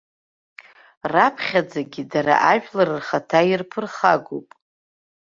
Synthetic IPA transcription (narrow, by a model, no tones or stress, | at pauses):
rapʰχʲad͡zaɡʲidaɾa̰ʔaʒᶣlaɾɨrχatʰairpʰɨrχaɡo̰pʼ